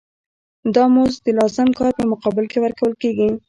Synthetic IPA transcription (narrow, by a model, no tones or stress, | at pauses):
d̪ɑmozd̪əlɑzɪmkɑɾpəmʊqɑbɪlkewaɾkawəlkeɡi